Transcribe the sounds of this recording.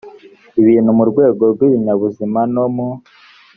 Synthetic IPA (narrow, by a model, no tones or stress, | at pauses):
iβiːnhumuɾɡwe̞ːɡo̞ɾɡwiβiɲaβuzimanomo